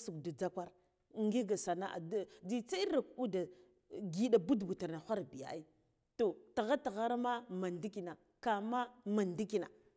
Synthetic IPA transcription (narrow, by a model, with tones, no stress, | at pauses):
su˨kdu˨d͡za˦kʷa˦ɾ | ŋɡi˦ɡa˨sa˨na̰˦ʔa̰˨dd͡zi˦t͡sa˦i˦ɾa˨ku˦da˨ | ɡi˦ɗa˨bu˦dbu˨ta˨na˨xʷa˦ɾbi˨ja̰˨i˦ | to˨ta˨ɣa˦ta˨ɣa˦ɾma˦ma˨ndi˦ki˨na˨ | ka˨ma˦ma˨ndi˦ki˨na̰˨